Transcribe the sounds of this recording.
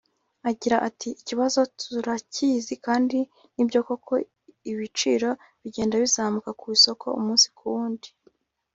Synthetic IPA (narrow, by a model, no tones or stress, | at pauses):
aɟiɾaʔatʰiiciβazo̞tʰuɾacizikaːndi | nibɟo̞ːkokʰo̞ | iβit͡ʃiːɾo̞ | βiɟe̞ːndaβizaːmukakuiso̞kʰo̞̰ṵmuːnsi̥kuwuːndi̥